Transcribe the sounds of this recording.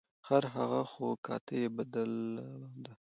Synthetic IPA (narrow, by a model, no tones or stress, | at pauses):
haɾɦaɣaxokʰɑ̰t̪əjebad̪əld̪a